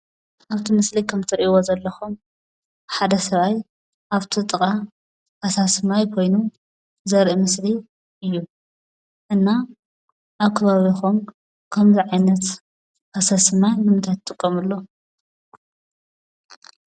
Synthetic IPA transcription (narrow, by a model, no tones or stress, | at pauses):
ʔaβt̪ʰimɨslikʰɐmt̪ʰɐɾʔiwozɐlːɐxum | ħad̪ɐsɐβaj | ʔaβt̪ʰit̪ʼɨkʼa | asasmajkʰo̞jnu | zɐɾʔimɨsli | ʔɨjːu | ʔɨnːa | ʔaβkʰɐβaβixum | kʰɐmziʕajnɐt̪ | ɐsɐsmajnɨmɨt̪ʰat̪t̪ʼɨkʼːɐmɨlːo